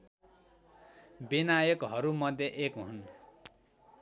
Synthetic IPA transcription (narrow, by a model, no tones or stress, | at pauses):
binajʌkɦʌɾumʌd̪ʱjʌʔekɦun